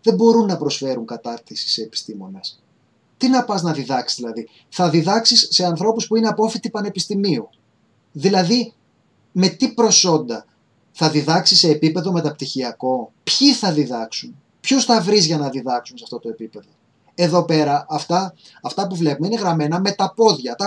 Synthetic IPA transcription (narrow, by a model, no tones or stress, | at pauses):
ðebo̞ɾunːɐpɾo̞sfe̞ɾuŋkɐt̪ɐɾt̪isi̥seːpi̥st̪imo̞nɐs | t̪inɐpɐznɐðiðɐksi̥zðilɐði | θɐðiðɐksisːe̞ɐnθɾo̞puspuine̞ɐpo̞fit̪ipɐne̞pist̪imiu | ðilɐði | me̞t̪ipɾo̞so̞nd̪ɐ | θɐðiðɐksise̞ːpipe̞ðo̞me̞t̪ɐp̚t̪içiɐko̞pçiθɐðiðɐksun | pçosθɐvɾizʝɐnɐðiðɐksunsɐft̪o̞t̪o̞e̞pipe̞ðo̞ | e̞ðo̞pe̞ɾɐʔɐft̪ɐː | ft̪ɐpuvle̞pumeine̞ɣɾɐme̞nɐme̞t̪ɐpo̞ðʝɐt̪ɐ